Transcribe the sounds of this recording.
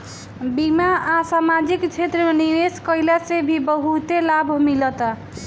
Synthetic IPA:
bimaasamad͡ʒikt͡ʃʰet̪ɾəmeniɾeskəjlasebʱibəɦut̪elabʱmilət̪

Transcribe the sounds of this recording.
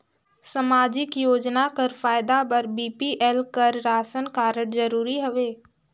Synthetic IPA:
səmaːd͡ʒɪkjoːd͡ʒnakəɾfaːɪd̪abɐɾbiːpiʔɛlkəɾɾaːsənkaːɾəɽd͡ʒəɾuːɾiɦoʋeː

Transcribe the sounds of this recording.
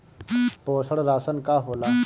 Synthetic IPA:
poːsəɽɾaːsənkaɦoːlaː

